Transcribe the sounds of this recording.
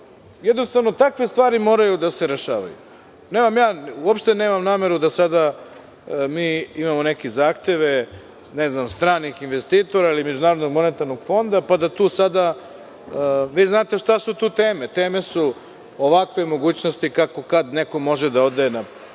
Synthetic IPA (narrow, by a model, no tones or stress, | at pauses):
jɛd̪nost̪aʋno̞t̪akʋe̞st̪vʋaːɾimo̞ːɾajud̪ase̞ɾe̞ʃaːʋa̰jṵ | neːmamjaːuopʃt̪ene̞ːmamnaːme̞ɾud̪asad̪a | miːimamo̞nekezaːxt̪e̞ʋe | neznamst̪ɾaːnixinʋest̪iːt̪o̞ɾailimed͡ʑunaːɾod̪noɡmo̞net̪aɾno̞ɡ̥fo̞nd̪apad̪at̪uːsad̪a | ʋiːznaːt̪eʃt̪asut̪uːt̪e̞ːmet̪e̞ːme̞su | oʋakʋe̞mo̞ɡuːt͡ɕno̞st̪ikako̞kad̪neko̞mo̞ʒed̪ao̞d̪aena